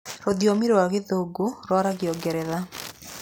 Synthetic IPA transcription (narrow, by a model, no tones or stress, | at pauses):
ɾoðjɔmiɾoaɣeðoɡuɾɔɾaɣjɔɡɛɾɛða